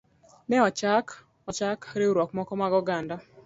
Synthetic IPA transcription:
nɛɔt͡ʃak | ɔt͡ʃakɾeuɾwɔkmɔkɔmaɡɔɡandɔ

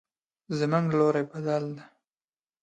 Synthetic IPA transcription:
zmuŋɡloɾebad̪ald̪a

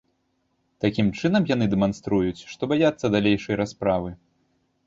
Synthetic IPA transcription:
t̪akʲimt͡ʂɨnɐmjan̪ɨd̪ɛmanst̪ɾujut͡sʲʂt̪ɔbajat̪sːɐd̪alʲejʂɐjɾaspɾavɨ

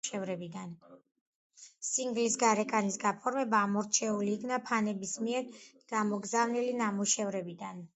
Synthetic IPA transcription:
ɛvɾɛbid̪an | siŋɡlisɡaɾɛkʼanisɡapʰɔɾmɛbaːmɔɾt͡ʃʰɛuliːkʰnapʰanɛbismiɛɾɡ̥amɔɡzavnilinamuʃɛvɾɛbid̪an

